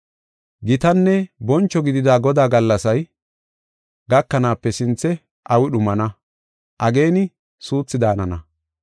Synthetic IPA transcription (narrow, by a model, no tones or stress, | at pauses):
ɡɪt̪ɐnːɛbɔnt͡ʃːɔɡɪd̪ɪd̪aːɡɔd̪aːɡɐlːɐsɐj | ɡɐkːɐnaːpːɛsɪnt͡sːɛ | ʔɐwɪɗʊmɐnɐ | ʔɐɡe̞ːnɪ | suːt͡sːɪd̪aːnɐnɐ